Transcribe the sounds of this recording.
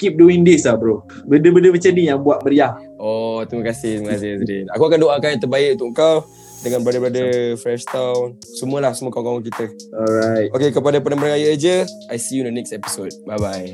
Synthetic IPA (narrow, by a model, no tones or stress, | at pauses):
kip̚duiŋdisabɾo | bəndəbəndəmət͡ʃanijaŋbuaʔ̚məɾiah | ɔt̪ɾimə̃kasɪht̪ɾiməkasɪsədinakuakandoʔakajãnt̪əbaɪʔunt̪ʊʔkaw | dəŋãnbəɾadabɾadəfɾɛʃt̪awn | səmuəlahsəmuəkawkawŋk̬it̪əɔlɾajt̪̚okekəpadapənãməɾaŋajad͡ʒə | ajsijundənɛksɛpi̥sod̚bajbaj